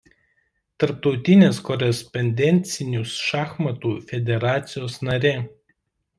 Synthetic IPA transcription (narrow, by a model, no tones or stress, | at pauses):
t̪ɐɾp̚t̪ɒʊt̪ʲɪnʲeːskɔɾʲɛspɔnʲd̪ʲɛnʲt̪sʲɪnʲʊsʃɑːxmɐt̪uːfʲɛd̪ʲɛɾɑːt̪sʲɪjoːsnɐɾʲeː